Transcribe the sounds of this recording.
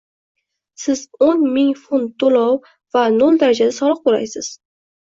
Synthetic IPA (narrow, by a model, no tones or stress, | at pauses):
sɪzonmɪŋfunt̪ʰːolɒw | vanolˠd̪aɾad͡ʒad̪asɒlˠɨq̚bola̰jsɪz̥